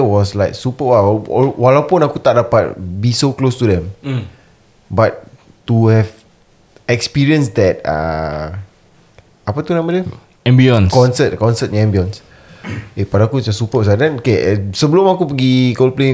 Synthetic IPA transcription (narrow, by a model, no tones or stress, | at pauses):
wɔslaɪk̚supəwaɔ̰walawpũnakut̪aʔ̚dapat̚bisoklostudɛ̃m | bat̚ː | uhɛv | ɛkspiɹiə̃nsdɛt̚a̰ | apat̪unãmbədɛ | ɛ̃mbiɔ̃nkɔ̃nsət̚kɔ̃nsət̚ɛ̃mbiɔ̃ns | epadaakud͡ʒasːupəwɔsadɛ̃nokesəbəlõmakupəɡikolplẽ